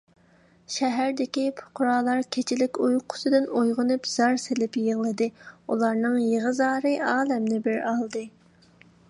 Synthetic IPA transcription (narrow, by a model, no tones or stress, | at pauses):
ʃɛɦæɾd̪ɪkʲipʰʊ̥qʰʊɾɑːlˠɑɾkʲʰet͡ʃʰɪlɪkʲujqʰʊ̥sɨd̪ɨnojʁʊnɨpz̥ɑɾselɪpjəʁlˠɨd̪ɨulˠɑɾnɨŋjeʁɨzɑːɾɨɑːlɛmnɪbɪɾɑlˠd̪ɨ